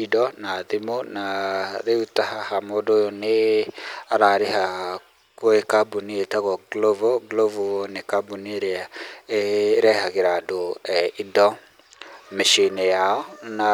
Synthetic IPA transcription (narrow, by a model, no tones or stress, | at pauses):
idɔnaðimonaðeutahahamoːdoːjone | aɾaɾeɦa | koekabunietaɣɔɡlovoɡlovonekabunieɾeaeɾɛhaɣeɾadoidɔ | meʃinejaɔna